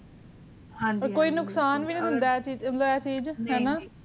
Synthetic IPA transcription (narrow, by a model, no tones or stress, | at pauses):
ɦãd͡ʒəɾkoːiːnʊksaːnʋiːnːd̪ɪnd̪at͡ʃiːd͡ʒmət̪ləbɛːt͡ʃiːd͡ʒɦɛːnaː